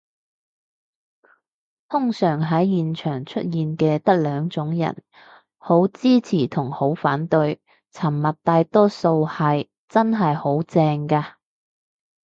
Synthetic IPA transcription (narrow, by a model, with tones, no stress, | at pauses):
t̪ʰʊ˥ŋsœː˨˩ŋɦɐ˨˥jjiː˨nt͡ʃʰœː˨˩ŋt͡ʃʰɵ˥t̚jiː˨nkɛː˧t̪ɐ˥k̚lœː˨˧ŋt͡sʊ˨˥ŋjɐ̰˨˩n | ho˨˥wt͡siː˥t͡sʰiː˨˩t̪ʰʊ˨˩ŋho˨˥wfaː˨˥nt̪ɵ˧ɥ | t͡sʰɐ˨˩mːɐ˨t̚t̪aː˧jt̪ɔː˥so˧whɐ˨j | t͡sɐ˥nɦɐ˨jho˨˥wt͡sɛː˧ŋkaː˧